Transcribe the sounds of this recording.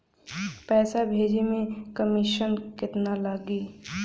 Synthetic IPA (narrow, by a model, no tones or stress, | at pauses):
pɛːsabʱeːd͡ʒemẽkəmɪʃənkɪt̪nalaɡiː